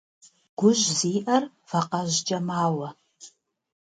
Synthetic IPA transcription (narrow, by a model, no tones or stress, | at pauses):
ɡ̥ʷʊʒziːʔɐr | fɐqɐʑd͡ʒʼɐmaːwɐ